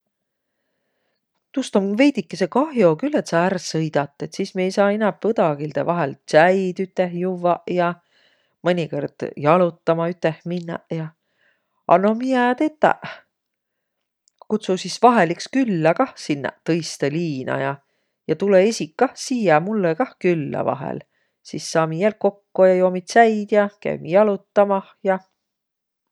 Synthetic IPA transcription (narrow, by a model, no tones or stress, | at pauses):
t̪ust̪omve̞jd̪ikːesekɑhjo̞kylːet̪sɑærsɤjd̪̥ɑt̪ˑːe̞t̪siːsmie̞jsɑːinæpːɤd̪̥ɑɡild̪̥ḛvɑɦelsæjd̪̥yt̪ːˑehjuvːɑʔjɑ | mɤnʲikord̪̥jɑlut̪ːɑmɑyt̪ːˑehminːɑʔjɑ | ɑ̰nomijæːt̪et̪ˑːæ̰ʔ | kut̪susisvɑɦelikskylːækɑhsinːæ̰ʔt̪ɤjst̪eliːnɑ̰jɑ | jɑt̪uleesʲikːɑhsiːjɑmulːekɑhkylːæ̰vɑ̰ɦḛl | sisːɑːmijæːl̚ko̞kːojɑjoːmit̪sæjd̪̥jɑkæ̰jmijɑlut̪ːɑmɑhjɑ